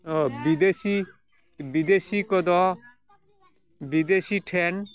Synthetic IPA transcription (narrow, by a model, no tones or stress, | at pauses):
ɔbid̪esi | bid̪eːsikɔd̪ɔ | bid̪esiʈʰɛn